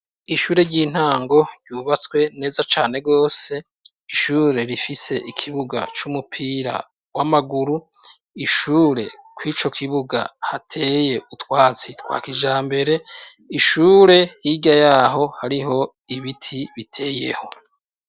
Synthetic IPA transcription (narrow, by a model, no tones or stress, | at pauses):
iʃuːɾe̞ɾɟiːn̥haːŋɡo̞ɾɟuːβat͡swe̞ne̞ːzat͡ʃaːne̞ɡo̞ːse̞ | iʃuːɾe̞ɾifise̞ʔikʰiβuɡa̰t͡ʃumupʰiɾa̰ | wamaɡuɾu | iʃuːɾe̞̰ | kwiːt͡ʃo̞kʰiβuɡa̰hatʰe̞ːje̞ʔutwaːt͡sitwa̰ːkiʒaːmbe̞ɾe̞ | iʃuːɾe̞jiɟajaɦo̞haɾiɦo̞ | iβitʰiβitʰe̞ːje̞̰ho̞